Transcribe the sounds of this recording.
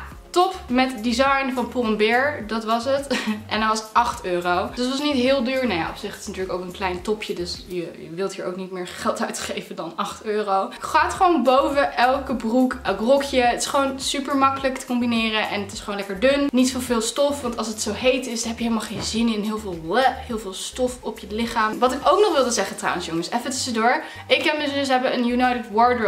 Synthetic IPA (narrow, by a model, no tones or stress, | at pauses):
tɔpmɛtdizɑjnvɑnpɔnbɛɹdɑtʋɑsətʔɛndɑnʋɑsətʔɑχtøːrowd̥ɑtʋɑsnitɦɪːlˠdyːɹnaja̰ʔɔpsɪχətɪsnatyːɹləkoʊwkənklɛjntɔpʰjədøsjəjə̰ʋɪlˠtɦiːɹo̰wknitmɪːɹχɛlˠtœɥtχejvədɑnɑχtøːrowχaːtχəʋownbowvəʔɛlˠkəbrukɛlˠkrɔkjəətɪ̥sχəʋownsypəɹmɑkələktə̥kɔmbinɪːrənʔɛnətɪsχəʋoːnlɛkəɹdønnitfovɪːlˠstɔfʋɑntɑlˠs̬ətsowɦejtɪsdɑnɦɛpjəɦeləmalˠχejnzɪnɪnɦɪːlˠvɪːlˠlɛɦɪːlˠvɪːlˠstɔfɔpjəlɪχaːmʋɑtɪkowknɔχʋɪlˠdəzɛχətra̰wə̃nsjʊŋəsɛfətəsədoːɹ | ɪkɛnəzdəs̬ɦɛbəənjunajtətwɔɹdəɹ